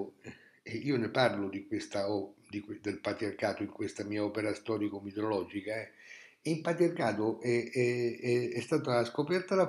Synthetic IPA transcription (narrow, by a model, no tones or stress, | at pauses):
eiːoneparlod̪ikwest̪aɔd̪ikwed̪elpat̪ɾiarkaːt̪oiŋkwest̪amiːaɔːpeɾast̪ɔːɾikomet̪eɾolɔːd͡ʒikaɛ | impat̪ɾiarkaːt̪oʔɛɛɛɛst̪aːt̪aaskopɛrt̪ala